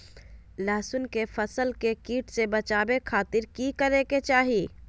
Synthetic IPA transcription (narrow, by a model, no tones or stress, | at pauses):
laːsʊnkefɐsəlkekiːʈsebɐt͡ʃaːbekʰaːt̪ɪɾkikɐɾeːket͡ʃaːɦiː